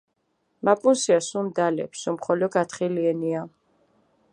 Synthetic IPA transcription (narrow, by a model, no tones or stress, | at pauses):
mapʼunsiasumd̪alɛ̰psumχɔlɔɡat̪χiliɛnia